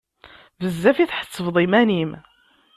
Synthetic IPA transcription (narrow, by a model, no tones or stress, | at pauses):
vəzːæfiθħə̥t͡sːəvðˤimænim